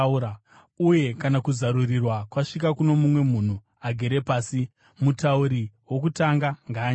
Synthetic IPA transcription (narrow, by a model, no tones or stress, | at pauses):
ɾ | uje̞kanakuzaɾurirwakwaʂik̬akuno̞mumwe̞mun̤u | aɡʱe̞ɾe̞paːsi | mutauɾiwo̞k̬utaŋɡaŋɡaːɲ